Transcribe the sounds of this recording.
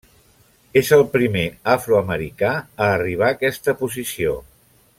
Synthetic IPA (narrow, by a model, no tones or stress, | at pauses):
ezəlˠpɾimeafɾuəməɾikaəːriβ̞aːkɛst̪əpuzisio